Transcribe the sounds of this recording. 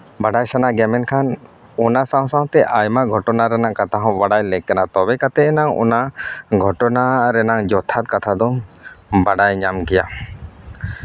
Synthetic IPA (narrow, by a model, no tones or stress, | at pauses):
baɖajsanaɡɛmɛnkʰan | ɔnasaw̃saw̃t̪ɛʔajmaʔɡʱɔʈɔnaɾɛnaʔkat̪aɦɔ̃baɽajlɛkːɛnat̪ɔbɛkat̪ɛɛnaŋɔ̰naɡʱɔʈɔnaɾɛnaŋd͡ʒɔt̪ʰat̪̚kat̪ʰad̪ɔmbaɖajɲamɡɛja̰